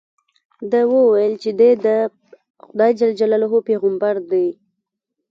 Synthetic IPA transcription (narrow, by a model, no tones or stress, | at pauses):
d̪əwəwajəlt͡ʃed̪ed̪ə | xʊd̪ɑjd͡ʒald͡ʒalaloɦopeɣambaɾd̪aj